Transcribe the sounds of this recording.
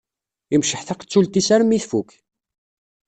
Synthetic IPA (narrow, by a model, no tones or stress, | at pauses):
imʃəħθaqə̥t͡sːult̪isæɾəmːiθfuk